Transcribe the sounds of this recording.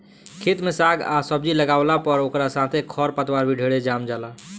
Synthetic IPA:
kʰit̪mesaɡa̰səbd͡ʒiləɡaʊlapəɾokɾasãt̪ʰekʰɔɾpət̪waɾbʱiɖʱeɽed͡ʒamd͡ʒala

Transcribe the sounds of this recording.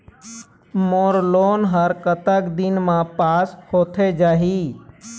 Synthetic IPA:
moːɾloːnɦəɾkət̪əkd̪ɪnmãpaːshoːt̪ʰed͡ʒaːɦiː

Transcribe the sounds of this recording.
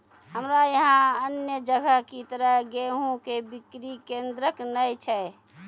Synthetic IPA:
ɦəmɾajəɦãənjəd͡ʒəɡʱəɦkit̪əɾəɦɡeɦũkebikɾikẽnd̪ɾəknəjt͡ʃʰɛ

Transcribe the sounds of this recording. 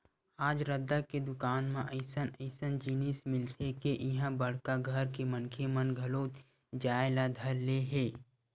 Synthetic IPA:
aːd͡ʒɾəd̪ːaked̪ʊkaːnmẽʔəɪsənəɪsənd͡ʒiːnɪsmɪlt̪ʰekeʔɪɦə̃bəɽ̤kaɡʱəɾkemənkʰemənɡʱəloːt̪ | d͡ʒaːelad̪ʱəɾleɦeː

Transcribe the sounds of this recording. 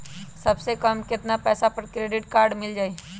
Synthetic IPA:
sɐbsekəmkɪt̪napɛːsapəɾkɾeːɖɪʈkaːɾɖmɪld͡ʒaːe

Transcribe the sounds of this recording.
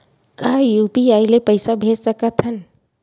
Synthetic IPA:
kaːjuːpiaːilepəɪsabʱeːd͡ʒsəkət̪ʰɦən

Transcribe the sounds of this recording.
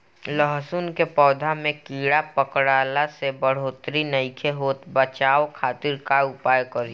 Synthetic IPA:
ləɦsunkepɔːd̪ʱamẽkiːɽapəkɽaːlasebəɽ̤oːt̪ɾinəɪkʰeɦoːt̪bət͡ʃaːokʰaːt̪ɪɾkaʊpaːjkəɾ

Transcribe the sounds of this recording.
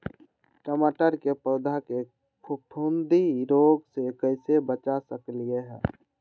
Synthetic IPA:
ʈəmaʈəɾkepəd̪ʱake | pʰʊpʰund̪iɾoːɡsekəɪsebət͡ʃasəklieɦɛ̰̃ː

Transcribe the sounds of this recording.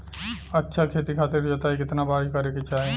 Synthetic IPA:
ətːʃʰakʰeːt̪ikʰaːt̪eɾbʱiɦoːt̪aːɦekɪt̪nabaːɾkəɾeket͡ʃaːɦe

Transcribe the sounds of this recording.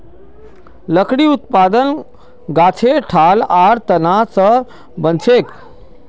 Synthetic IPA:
ləkɽiːut̪̚paːd̪ən | ɡaːt͡sʰeʈʰaːlaɾt̪ənasə | bənt͡sʰek

